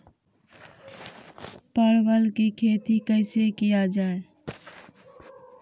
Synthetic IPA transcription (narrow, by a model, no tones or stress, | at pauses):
pəɾwəlkikʰeːt̪ikəɪsekijad͡ʒaːe